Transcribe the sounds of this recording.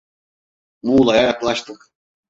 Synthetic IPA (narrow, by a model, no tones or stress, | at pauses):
muːlˠajajaklˠaʃt̪ʰɯk